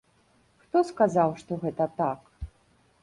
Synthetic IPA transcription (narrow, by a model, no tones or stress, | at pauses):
xt̪ɔskazawʂt̪ɔɣɛt̪ɐt̪ak